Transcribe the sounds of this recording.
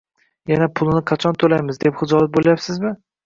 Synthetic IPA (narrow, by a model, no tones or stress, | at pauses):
janapʰʊlˠnɪqʰɑt͡ʃʰɒnt̪ʰolajmɪzd̪e̞pχɨd͡ʒɒbat̪̚bolajapsɪzmɪ